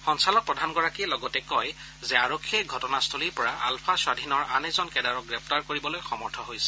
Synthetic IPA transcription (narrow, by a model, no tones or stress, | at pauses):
xɔnsalɔk̚pɹɔdʱanɡɔɹakilɔɡɔtɛkɔj | zɛaɹokʰːiɛɡʱɔtɔnastʰoliɹpɔɹaʔalpʰaswadʱinɔɹʔanɛzɔnkɛdaɹɔɡɹɛp̚ʰtaɹkoɹibɔlojxɔmɔɹtʰɔɦojsɛ̥